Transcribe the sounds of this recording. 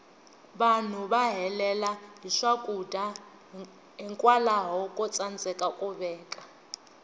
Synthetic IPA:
βan̤uβaɦɛlɛlaɦiʂakʼuda | ɦiŋkʼwalaɦɔkʼɔt͡sʼand͡zɛkʼakʼuβɛːkʼa

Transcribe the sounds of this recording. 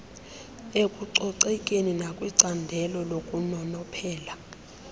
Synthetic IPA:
ekʼuǀɔǀɛkʼeninakʼwiǀandʱɛlɔlokʼunɔnɔpʰɛːla

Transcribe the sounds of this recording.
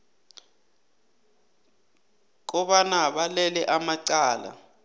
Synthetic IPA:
k̬ɔɓanaɓalɛlɛʔamaǀaːla̰

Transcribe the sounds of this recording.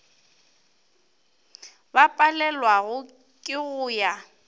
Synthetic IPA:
bapʼalɛlwaɣʊ | kʼɪɣʊːja

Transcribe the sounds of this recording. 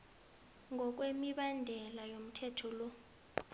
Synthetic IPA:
ŋɡʱɔk̬wemiɓandʱɛlajom̩tʰɛtʰɔlɔ

